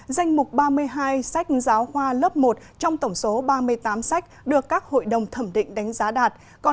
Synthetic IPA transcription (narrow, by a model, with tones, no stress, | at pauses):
za˧jŋ̟mʊ˨˩k͡p̚ɓaː˧mɨ˧əjɦaː˧jsa˦˥jk̟̚zaː˨˦wxwaː˧ləː˦˥p̚mo˨˩t̚t͡ɕɔ˧wŋ͡mt̪ə˧˩wŋ͡mso˨˦ɓaː˧mɨ˧əjt̪aː˨˦msa˦˥jk̟̚ɗɨ˨˩əkːaː˦˥k̚ho̰˧˨jɗə˨˩wŋ͡mt̪ʰə˧˩mɗḭ˧˨ŋ̟ɗa˨˦jŋ̟zaː˨˦ɗaː˨˩t̚ | kɔ˨˩